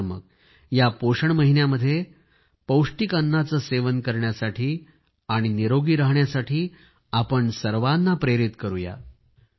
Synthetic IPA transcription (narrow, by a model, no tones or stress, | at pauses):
mə̰k̚ | japoʂəɳməɦinjaməd̪ʱːje | pəwʂʈikənːat͡səseʋənkəɾɳjasaʈʰiː | aɽ̃iniɾoɡiːɾaɦɳjasaʈʰiː | apəɳsəɾʋanːapɾeɾit̪kəɾuja̰